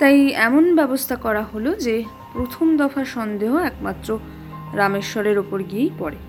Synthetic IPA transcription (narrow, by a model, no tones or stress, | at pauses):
t̪ajɛmonbɛbost̪ʰakɔɾaɦolod͡ʑe | pɾot̪ʰomd̪ɔfaʃɔnd̪eɦoɛkmat̪ːɾo | ɾameʃɔɾeɾopoɾɡiejpɔɾe